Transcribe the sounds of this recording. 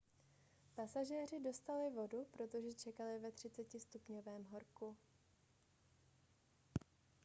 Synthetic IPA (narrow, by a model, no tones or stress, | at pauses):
pasaʒɛːr̝ɪdo̞st̪alɪvo̞dupɾo̞t̪o̞ʒɛt͡ʃɛkalɪvɛt̪r̝̥ɪtt͡sɛcɪst̪upɲovɛːmɦo̞ɾku